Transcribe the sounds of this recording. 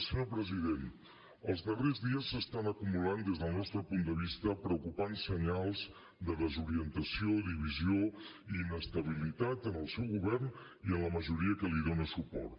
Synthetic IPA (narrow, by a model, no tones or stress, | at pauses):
səɲopɾəziðen | əlˠzðərezðiəsːəst̪anəkumuland̪ezðəlˠnɔst̪ɾəpund̪əβ̞ist̪əpɾəukupansəɲalˠz | d̪əðəzuɾiənt̪əsioðiβ̞izio | iːnəst̪əβ̞ilit̪at̪ənəlˠsɛwɣuβɛrn | iənləməʒuɾiəkəliðonəsupɔ̰rt̪